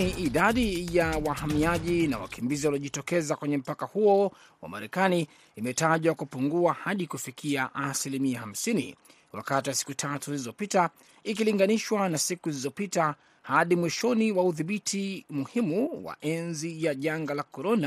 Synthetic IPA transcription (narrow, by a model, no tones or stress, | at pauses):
iʔiɗaɗijawahamiaʄina̰wa̰kimbiziwaliɔʄitɔkɛzakwɛɲɛm̩pakahuɔ | wa̰ma̰ɾɛkaniː | mɛtaʄwakupuŋɡuahaɗikufikʰiaʔasilimiaham̩sinḭ | wa̰katiwasi̥kutʰatuilizɔpita | ikiliŋɡaniʃwanasikulizɔpita | haɗimwiʃɔniwauðiɓitʰimuhimuwa̰ʔɛnzijaʄaŋɡalakɔɾɔna